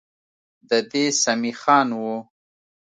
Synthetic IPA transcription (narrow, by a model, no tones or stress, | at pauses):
d̪əd̪esamixɑːnwu